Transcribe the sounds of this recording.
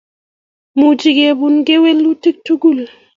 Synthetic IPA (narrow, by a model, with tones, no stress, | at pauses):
mu˨d͡ʒi˨ɡe˨bu˨nɡe˦we˦lːu˦ti˦k̚tu˦ɡu˦˨l